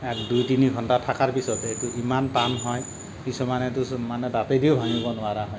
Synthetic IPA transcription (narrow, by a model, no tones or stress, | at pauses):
ɛkdujtiniɡʱɔntatʰakaɹpisɔtetuʔimanpanɦɔj | kisumanɛtumanɛdapediʊbʱaŋibɔnʊaɾaɦɔj